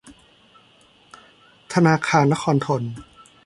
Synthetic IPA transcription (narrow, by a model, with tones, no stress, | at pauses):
t̪ʰa˧naː˧kʰaː˧nːa˦˥kʰɔː˧nt̪ʰo˧n